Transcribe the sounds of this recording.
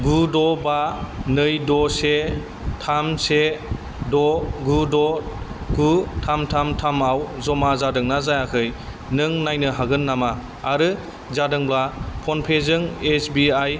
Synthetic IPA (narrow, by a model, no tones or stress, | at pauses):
ɡudɔbanɯjdɔse | tʰamse | dɔɡudɔɡutʰamtʰamtʰamawzɔmazadɯŋnazajakʰɯj | nɯŋnajnɯɦaɡɯnːamaː | ɾɯ | zadɯŋblapʰɔnpʰezɯŋesbiaj